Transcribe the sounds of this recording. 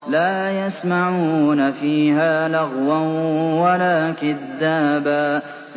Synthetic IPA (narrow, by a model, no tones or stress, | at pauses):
laːjasmaʕuːnafiːhaːlaɣwanwalaːkaðːaːbaː